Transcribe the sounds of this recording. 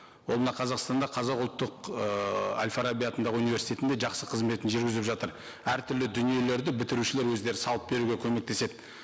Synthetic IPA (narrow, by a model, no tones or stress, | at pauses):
wo̞lˠmənɑqʰɑzɑqst̪ɑnd̪ɑqʰɑzɑqʊlˠt̪ːəq | a̰lʲfaɾabʲijat̪ənd̪ɑʁəunijvʲe̞ɾsi̥t̪et̪nd̪e̞ʒɑqsəqʰəzme̞t̪ɪnʒʏɾɡʲɪzɪpʒɑt̪əɾ | æɾt̪ʰʏɾlɪd̪ʏnije̞le̞ɾd̪ɪbɪt̪ɪɾuʃɪle̞ɾwɵzd̪e̞ɾɪsɑlˠəp̚be̞ɾuɡʲekʲʰɵme̞k̚t̪e̞se̞d̪ɪ